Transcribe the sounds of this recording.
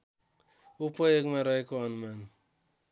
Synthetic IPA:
upʌjoɡmaɾʌɦekoʌnuman

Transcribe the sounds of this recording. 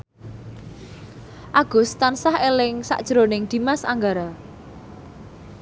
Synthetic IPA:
ʔaɡ̥ʊ̤st̪ansahelɪŋsa̰ʔd̥ʒ̥ɾonɪŋd̪̥i̤masa̰ŋɡaɾa

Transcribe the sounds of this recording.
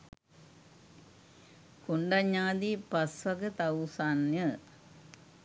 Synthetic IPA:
kuɳɖɐɲːaːd̪ipɐsʋɐkɨt̪ɐwsanjə

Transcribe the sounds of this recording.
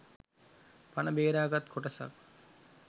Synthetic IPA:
panɐbeːɾaːɡat̪kʰoʈɐsa̰k

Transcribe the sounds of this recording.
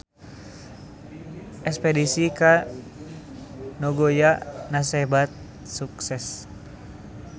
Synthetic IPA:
ʔɛkspɛdisika | noɡojanasɛbat̪̚ | suksɛs

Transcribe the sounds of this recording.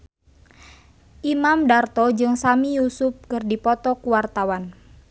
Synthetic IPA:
ʔimamdart̪ɔd͡ʒɨŋsamijusup̚kɨrdipɔt̪ɔkuwart̪awan

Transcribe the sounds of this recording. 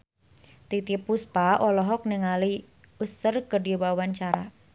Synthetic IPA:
t̪it̪ipuspaʔɔlɔɦɔk̚niŋali | usərkərdiwawaɲt͡ʃaɾa

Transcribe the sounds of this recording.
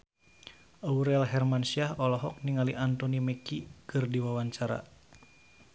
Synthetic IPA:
ʔauɾɛlɦɛrmansiahɔlɔɦɔk̚niŋaliʔant̪ɔnimɛkikɨrdiwawaɲt͡ʃaɾa̰

